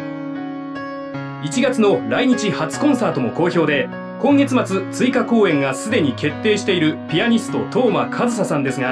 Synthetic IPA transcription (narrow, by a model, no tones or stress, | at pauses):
it͡ɕiɡat͡sɨno̞ɾaiɲ̟it͡ɕihat͡sɨ̥kõ̞ɰ̃saːt̪o̞mo̞ko̞ːço̞ːd̪e̞ | kõ̞ŋɡe̞t͡sɨmat͡sɨt͡sɨikako̞ːẽ̞ŋɡasɨd̪e̞ɲ̟ike̞t̪ːe̞ːɕi̥t̪e̞iɾɯ̟pʲijaɲ̟ist̪o̞t̪o̞ːmakʰazɨs̬asãnd̪e̞sɨɡa